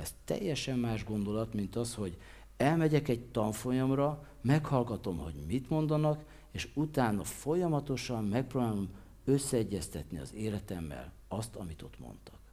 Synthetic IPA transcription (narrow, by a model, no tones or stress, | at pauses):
ɛst̪ɛ̰jːɛʃɛmːaːʒɡo̞nd̪o̞lɒt̪mint̪ɒsho̞ɟ | ɛlmɛɟɛkɛɟ̚t̪ɒɱfo̞jomrɒ | mɛkhɒlɡɒt̪o̞mho̞̰ɟmit̪mo̞nd̪ɒnɒk | eːʃut̪aːnɒfo̞jɒmɒt̪o̞ʃɒmːɛk̚proːbaːlo̞m | ø̞sːɛɛɟːɛst̪ɛt̪niɒ̰zeːlɛt̪ɛmːɛ̰l | ɒst̪ɒmit̪o̞̰t̪mo̰nt̪ɒ̥k